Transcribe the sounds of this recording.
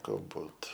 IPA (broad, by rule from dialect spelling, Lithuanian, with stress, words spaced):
ɡɐlˠˈbuːt